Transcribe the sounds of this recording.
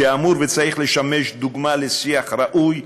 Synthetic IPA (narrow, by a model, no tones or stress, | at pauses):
amuɾvet͡saʁiχleʃameʃd̪uɡmalesiaχɾaʔuj